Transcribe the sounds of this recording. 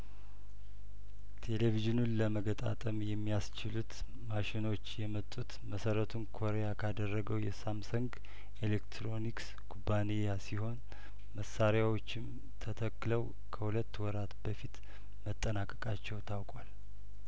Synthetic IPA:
t̪ʰe̞leviʒɪnunləməɡət̪ʼa̰t̪ʼəmjɛmːijast͡ʃɪlut̪ | maʃɪno̞t͡ʃːjɛmət̪ʼːut̪məsəɾət̪ʰunkʰo̞ɾejakʰad̪ərːəɡəwjɛsamsuŋɡ | elekt̪ʰɾo̞niks | ɡʰubanejasiho̞n | məsaɾjawo̞t͡ʃːɪm | t̪ʰət̪ʰəkːləw | kʰəhulət̪ːwɔɾat̪bəfit̪ | mət̪ʼːənakʼːəkʼat͡ʃːɛwt̪ʰawkʼwal

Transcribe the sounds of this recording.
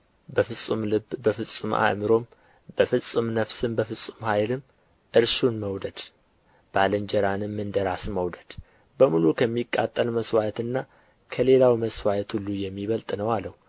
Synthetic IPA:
bəfɨsʼumlɨbbəfɨsʼuma̰ʔmɨɾo̞m | b̥əfɨsʼɨmnəfsɨmbəfɨsʼumhajlɨm | ʔɨɾʃunməwd̪əd̪̥ | b̥alənd͡ʒɛɾanɨmːɨnd̪əɾasməwd̪əd̪̥ | bəmulukʰəmːikʼːa̰t̪ʼːəlməswajt̪ɨnːa | kʰəle̞lawməswajət̪ʰhulːujɛmːiβəlt̪ʼnəwalːəh

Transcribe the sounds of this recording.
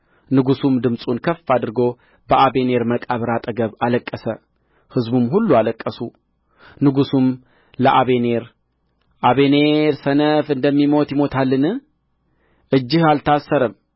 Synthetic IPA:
nɨɡusumd̪ɨmsʼunkʰəfːad̪ɨɾɡo̞ | bəʔaβe̞ne̞ɾməkʼaβɾat̪ʼəɡəβaləkʼːəsə | hɨzbumɦulːualəkʼːəsu | nɨɡusum | ləʔaβe̞ne̞ɾ | ʔaβe̞ne̞ɾsənəfɨnd̪əmːimo̞t̪jɪmo̞t̪ʰalːɨnɨ | ʔɨd͡ʒːɪhalt̪ʰasːəɾəm

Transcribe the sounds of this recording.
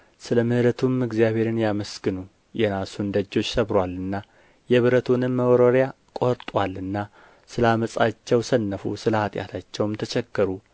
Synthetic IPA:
sɨləmɨhɨɾət̪ʰumɨɡzijaβe̞ɾɨnjaməskɨnu | jɛnasund̪əd͡ʒːo̞t͡ʃːsəβɾwalɨnːa | jɛβɨɾət̪ʰunɨmːəwɾoɾja | kʼo̞ɾt̪ʼwalːɨnːa | sɨlaməsʼat͡ʃːɛwsənːəfṵsɨləat̪ʼja̰t̪ʰat͡ʃːɛwmt̪ʰət͡ʃɛkːəɾu

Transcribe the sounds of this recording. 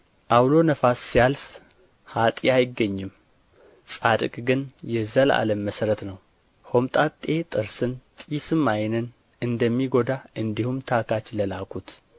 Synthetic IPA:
ʔawlo̞nəfasːijalf | hat̪ʼiajɪɡːəɲːɨm | sʼad̪ɨkʼɡɨnjɛzəla̰ləmːəsəɾət̪nəw | ho̞mt̪ʼat̪ʼːe̞t̪ʼɨɾsɨnt̪ʼːsɨmːajnən | ɨnd̪əmːiɡo̞d̪aʔɨnd̪ihumt̪ʰakʰat͡ʃləlakʰʷʼut̪

